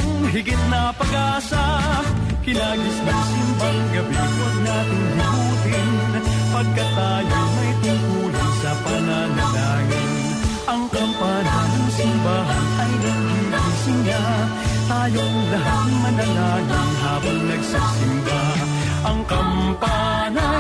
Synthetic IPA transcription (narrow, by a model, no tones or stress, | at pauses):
ŋɦɪɡɪt̪̚nɐpɐɡaːsa | kɪnaːɡɪsnɐŋsɪmbaŋɡɐbikɐnaːt̪ɪŋhɪbuːt̪ɪnpɐɡ̚kɐt̪aːjomɐjt̪ʊŋt̪uːlɪnsɐpɐnanɐlaːŋɪn | ʔɐŋkɐmpananɐŋsɪmbaːɦɐnʔɐjnɐɡ̚ɡiʔɪsɪnda | t̪aːjoʔŋlɐɦat̪̚mɐnɐlaːɡɪŋɦaːbɐŋnɐɡsɐsɪmba | ʔɐŋkɐmpa | nɐ